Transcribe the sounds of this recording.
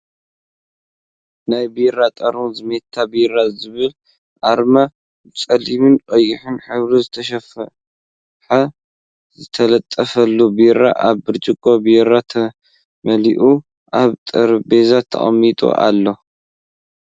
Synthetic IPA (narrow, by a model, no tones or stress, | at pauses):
najbiɾat̪ʼɐɾunzɨmet̪ʰːabiɾazɨβɨl | ʔaɾma | t͡sʼɐlimɨnqʼɐjːɪħɨnħɨβɾizɨt̪ʰɐʃ̬ɐf | ħɐ | zɨt̪ʰɐlɐt̪ʼːɐfɐlːubiɾa̰ʔaβːɨɾt͡ʃʼɪkʼobiɾat̪ʰɐ | mɐliʔu | ʔaβt̪ʼɐɾbe̞zat̪ʰːɐ̰χʼɐ̰mːit̪ʼo̰ʔa̰lːo̞